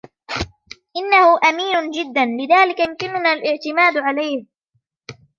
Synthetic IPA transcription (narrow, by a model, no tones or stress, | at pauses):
ʔɪnːahʊʔamiːnʊnd͡ʒɪd̪ːanlɪðaːlɪkamkɪnʊnaːlʔɪʕt̪ɪmaːd̪ʕalajh